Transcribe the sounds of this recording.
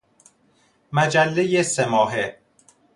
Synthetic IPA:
mæd͡ʒælːejesemɒːɦe

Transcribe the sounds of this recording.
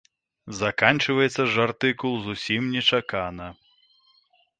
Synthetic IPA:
zakanʲt͡ʂɨvɐjɛt̪sːɐʐart̪ɨkulˠzusʲimnʲɛt͡ʂakanɐ

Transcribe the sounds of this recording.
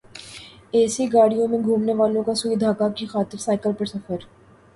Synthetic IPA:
ɛːsiɡaːɽijõmẽɡʱuːmneʋaːlõkasuid̪ʱaːkakixaːt̪ɪɾsaːɪkəlpəɾsɐfəɾ

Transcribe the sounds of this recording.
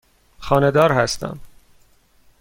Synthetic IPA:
xɒːne̞d̪ɒːɾhæst̪æ̰m

